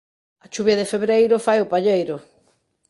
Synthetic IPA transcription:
ɐt͡ʃuβjɐðɪfeβɾejɾʊfajʊpaʎejɾʊ

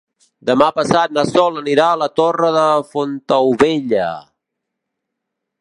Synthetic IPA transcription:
d̪əmapəsat̪̚nasɔləniɾaələt̪orəðəfont̪əwβeʎə̰

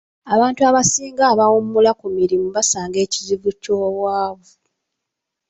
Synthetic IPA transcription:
aβaːntuaβasiːŋɡaːβawumːulakumiɾimuβasaːŋɡe̞ːciziɡucoːwaːβo

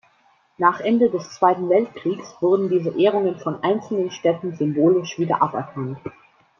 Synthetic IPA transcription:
naːχʔɛndədɛst͡sv̥aɪtn̩vɛltkʁ̥iːksv̥ʊʁdn̩diːzəʔeːʁ̞ʊŋənfɔnʔaɪnt͡sl̩nənʃtɛtn̩zʏmboːlɪʃv̥iːdɐ̰ʔapɛɐkʰant

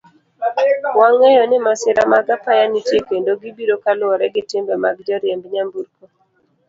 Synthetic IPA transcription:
waŋɛjɔnɪmasɪɾamaɡapajanitjekendoɡibiɾokalɔɾɛɡɪtɪmbɛmaɡd͡ʒɔɾjembɲambuɾko

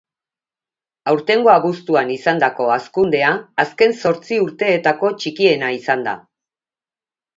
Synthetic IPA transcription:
awɾt̪e̞ŋɡo̞aβust̪uanisand̪ako̞askund̪e̞aːske̞nso̞ɾt͡siuɾt̪e̞ːt̪ako̞t͡ʃikie̞naisand̪a̰

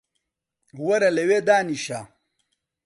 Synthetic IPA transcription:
wɐɾɐlewed̪aːniɕa

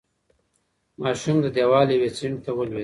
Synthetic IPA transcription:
mɑːʃumd̪əd̪jewɑːlewesiɳɖt̪awəlwe

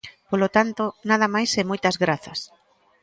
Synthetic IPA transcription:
polot̪ant̪onað̞ɐmajsemojt̪ɐzɣɾaθɐs

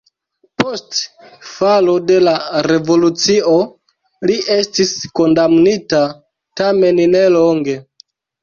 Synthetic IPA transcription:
po̞st | falo̞de̞laɾe̞vo̞lut͡sio̞ | liʔe̞stisko̞ndamnita | tame̞nne̞loŋɡe̞

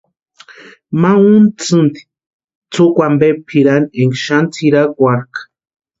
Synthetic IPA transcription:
maunt͡sɨnt̪i̥ | t͡sʰukʷambepʰiɾaneŋɡʃant͡sʰiɾakwaɾkḁ

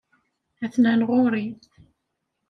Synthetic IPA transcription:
æθnænʁʊɾiθ

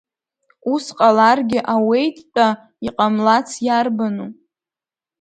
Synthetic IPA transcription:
usqʼalarɡʲɪʔawe̞jtʼːa | iqʼamlat͡sʰjarbanu

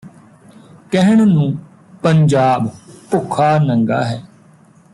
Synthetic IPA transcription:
kɛɦəɳnũː | pəɲd͡ʒaːbpʊkʰːaːnəŋɡa̰ːɦɛː

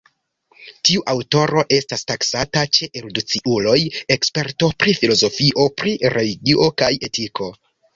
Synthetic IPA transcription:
tiuʔawto̞ɾo̞ʔe̞stastaksatat͡ʃe̞ʔeɾodut͡siulo̞je̞kspe̞ɾto̞pɾifilo̞zo̞fiʔo̞pɾiɾeliɡiʔo̞kaje̞tikʰo̞

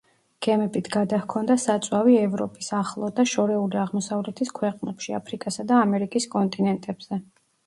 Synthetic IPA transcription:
ɡ̥ɛmɛbit̪ʰɡad̪ahkʰɔnd̪asat̪sʼwaviɛvɾɔpʼisaχlˠɔd̪aʃɔɾɛuliaʁmɔsavlɛt̪ʰiskʰwɛqʼnɛpʃia̰pʰɾikʼasad̪aːmɛɾikʼiskʼɔnt̪ʼinɛnt̪ʼɛb̥z̥ɛ

